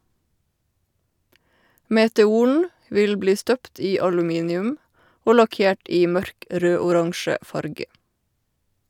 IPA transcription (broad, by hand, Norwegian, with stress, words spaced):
meːtɛˈuːɳ̩ ˈʋɪl ˈbliː ˈstœpt ˈiː ɑlʉˈmiːnɪʉm ˈoː lɑˈkeːʈ ˈiː ˈmœɾk ˈɾøːʊˌɾɑŋʃə ˈfɑɾɡə